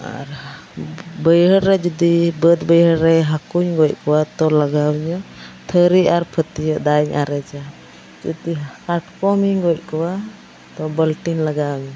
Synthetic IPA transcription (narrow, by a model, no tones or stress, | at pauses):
a̰ɾ | bəjɦəɾɾɛd͡ʒud̪ibəd̪bəjɦəɾɾɛɦakuɲɡɔc̚kɔwat̪ɔlaɡawɲɔt̪ʰəɾiaɾpʰət̪ijɔʔd̪aɲʔa̰ɾɛd͡ʒa | d͡ʒṵd̪ikaʈkɔmiɲɡɔj̚ˀkɔwa | t̪ɔbəlʈinlaɡawɲɔ